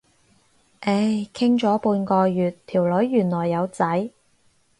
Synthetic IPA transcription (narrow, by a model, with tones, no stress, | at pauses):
ʔe˨˥˩jkʰɪ˥ŋt͡ʃɔː˨˥puː˧nkɔː˧jyː˨˩t̪ʰiː˨˩wlɵ˨˥ɥːyː˨˩nlɔː˨˩jːɐ˨˧wt͡sɐ˨˥j